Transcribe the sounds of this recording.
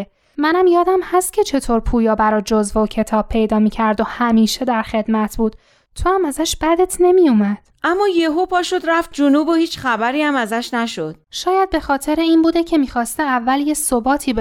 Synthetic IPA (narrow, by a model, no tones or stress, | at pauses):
mænæmjɒːd̪æmhæst̪̚cʰe̞t͡ʃʰe̞t̪ʰoɾpʰuːjɒːbæɾɒːd͡ʒozvocʰe̞t̪ʰɒːb̚pʰe̞jd̪ɒːmiːcʰæɾd̪o̞hæmiːʃe̞d̪æɾxe̞d̪mæt̪ʰbuːd̪̥ | t̪ʰoæmæzæʃb̥æd̪e̞t̪ʰne̞mijumæd̪̥ʔæmːɒːjeɦopʰɒːʃod̪ɾæft̪̚d͡ʒonuːbohiːt͡ʃχæbæɾiːæmæzæʃnæʃod̪̥ʃɒːjæd̪̚be̞xɒːt̪ʰe̞ɾeiːnbuːd̪ecʰe̞miːxɒːst̪eævːæljesobɒːt̪ʰiːb